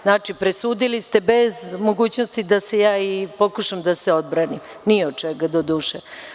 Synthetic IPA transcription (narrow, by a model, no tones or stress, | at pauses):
znaːt͡ʃipɾesuːd̪ilist̪e̞bezmo̞ɡuːt͡ɕnost̪id̪asejaːipo̞kuʃamd̪aseo̞d̪̚bɾanim | nijeod̪̚t͡ʃeɡad̪od̪uːʃe